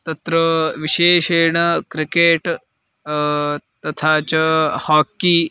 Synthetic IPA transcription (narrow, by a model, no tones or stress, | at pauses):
t̪ɐt̪ɾəʋiɕeːɕeːɳəkɾikeːʈ | t̪ɐt̪ʰat͡ɕhaːkːi